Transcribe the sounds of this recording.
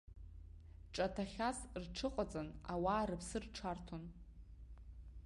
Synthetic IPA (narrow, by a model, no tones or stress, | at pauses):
ʈ͡ʂʼatʰaχʲasrʈ͡ʂʰɨqʼat͡sʼanawaːɾɨpʰsɨrʈ͡ʂʰartʰon